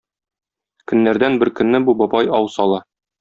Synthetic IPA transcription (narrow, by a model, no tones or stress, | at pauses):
kɵ̆nːæɾd̪ænbɘɾkɵ̆nːɘbubɒbɑjɒwsɒlˠɑ